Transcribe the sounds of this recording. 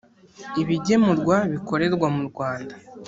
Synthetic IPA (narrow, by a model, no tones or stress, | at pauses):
iβiɟe̞muɾɡwaβiko̞ɾe̞ɾɡwamuɾɡwaːnda